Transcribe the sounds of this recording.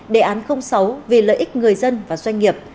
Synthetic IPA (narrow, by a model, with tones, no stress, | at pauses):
ɗḛ˨˩ʔaː˨˦nxə˧wŋ͡msa˨˦wvi˨˩ləː˧˨jʔi˦˥k̟̚ŋɨ˨˩əjzə˧nvaː˨˩zwa˧jŋ̟ŋi˨˩əp̚